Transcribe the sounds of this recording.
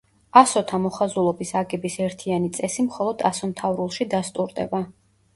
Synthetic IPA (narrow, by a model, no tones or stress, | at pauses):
asɔt̪ʰamɔχazulˠɔbisaɡɛbisɛɾt̪ʰianit̪sʼɛsimχɔlˠɔd̪asɔmt̪ʰavɾulˠʃid̪ast̪ʼuɾd̪ɛ̰ba